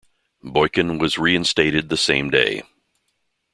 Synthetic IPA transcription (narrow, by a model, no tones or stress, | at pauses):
bɔɪkɨ̃nwʌzɹiɨ̃nsteɪɾɨd̪̚ðɨsẽɪ̃mdeɪ